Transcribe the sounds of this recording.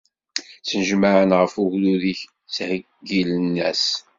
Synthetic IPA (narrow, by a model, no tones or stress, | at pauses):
t͡sənəʒmaʕənʁəfuɣluðiç | t͡shə | ɡilənːæs